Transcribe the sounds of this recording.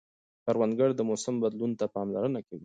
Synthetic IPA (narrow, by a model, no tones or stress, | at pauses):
paɾwanɡaɽd̪əmʊsɪmbad̪lunt̪apɑmlaɾənakawi